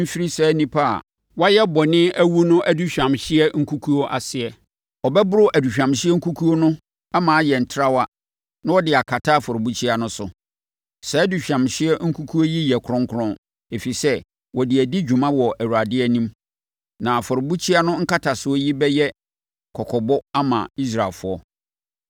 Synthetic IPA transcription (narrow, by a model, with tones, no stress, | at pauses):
m̩˦fi˦ɾi˦sɛ˦nĩ˦pʰa˦a̰˨ | wa˦jɛ˦bɔ˨nɪ̃˦æ˦wu˦nʊ̃˦ʔæ˨du˦ɕᶣã˨mɕɪ˦ɛ˦ŋ̩˦kʰu˦kʰu˦o˦ʔa˨sɪ˨ɛ˨ | ɔ˨bɛ˦bʊ˦ɾʊ˦ʔæ˨du˨ɕᶣã˨mɕɪ˦ɛ˦ŋ̩˦kʰu˦kʰu˦o˦nʊ̃˦ | a˦mãː˨˦jɛ˨n̩˨tʰɾa˦wa˦ | nã˦wɔ˦dɪ˨a˨kʰa˨tʰa˦˨fɔ˨ɾo˨bu˦t͡ɕʰi˦a˨nʊ̃˦sʊ̰˨ | sɛ˨˦du˨ɕᶣã˨mɕɪ˦ɛ˦ŋ̩˦kʰu˦kʰu˦o˦ji˦jɛ˨kʰʊ˦ɾɔ̃˦ŋkʰʊ˦ɾɔ̃˦n | e˨fi˨sɛ˦ | wɔ˨dɪ˨æ˨dɪ˦d͡ʑᶣu˨mã˦wɔ˨ʔæ˨wu˨ɾa˨dɪ˦ɛ˦nĩ˦m | nã˨fɔ˨ɾʊ˨bu˦t͡ɕʰi˦a˦nʊ̃˦ŋ̩˦ka˦tʰa˨sʊ˦ɔ˦ji˦bɛ˦jɛ˦ | kʰɔ˨kʰɔ˨bɔ˦a˦mã̰˨i˦s̬ɾa˨lfʊ˦ɔ̰˦